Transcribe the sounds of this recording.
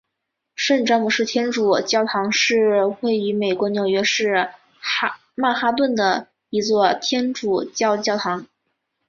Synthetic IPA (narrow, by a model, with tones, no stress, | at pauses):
ʂə˥˩nʈ͡ʂɑ˥mu˨˩ʂɻ̩˥˩t̪ʰjɛ˥nʈ͡ʂu˨˩t͡ɕjɑ˥ʊt̪ʰɑ˧˥ŋʂɻ̩˥˧xwe˥˩ɪy˧˥me˨˩ɪkwɔ˧˥njo˨˩ʊɥɛ˧˥ʂɻ̩˥˩˥ | ma˥˩xa˥t̪̬wə˥˩nd̪ə˩ | i˧˥t͡swɔ˥˩t̪ʰjɛ˥nʈ͡ʂu˨˩t͡ɕjɑ˥˧ʊt͡ɕjɑ˥˩ʊt̪ʰɑ˧˥ŋ